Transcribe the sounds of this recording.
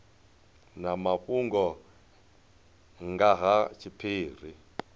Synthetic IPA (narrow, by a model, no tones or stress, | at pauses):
namaɸuŋɡɔ | ŋɡaɦat͡ʃʰipʰiːr̤i